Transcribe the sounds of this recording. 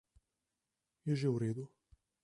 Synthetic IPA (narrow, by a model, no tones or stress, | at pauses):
jɛʒɛwɾeːd̪u